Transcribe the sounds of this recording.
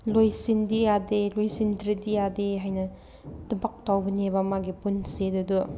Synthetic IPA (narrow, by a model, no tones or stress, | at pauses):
lojsindijadelojsindɾidijadeɦajnɐ | dubɐk̚tawbɐnebɐmaɡipunsedɐdu